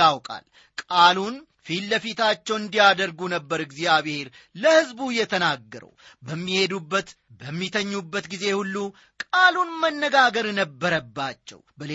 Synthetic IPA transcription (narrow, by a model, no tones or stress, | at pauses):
awkʼa̰l | kʼalun | filːəfit̪ʰat͡ʃːɛwɨnd̪ijad̪əɾɡunəbːəɾɨɡzijaβhe̞ɾ | ləhɨzbujɛt̪ʰənaɡːəɾə̰w | bəmːihe̞d̪ubːət̪ | bəmːit̪ʰəɲːubːət̪ɡize̞hulːu | kʼalunmənːəɡaɡəɾnəbːəɾəbːat͡ʃːɛ̰wbəle